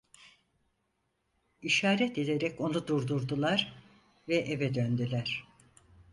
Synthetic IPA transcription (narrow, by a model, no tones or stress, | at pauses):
iʃaːɾɛt̪e̞d̪eɾɛco̞nud̪uɾd̪uɾd̪ulˠaɾ | vɛʔevɛd̪ønd̪ylʲæɾ̥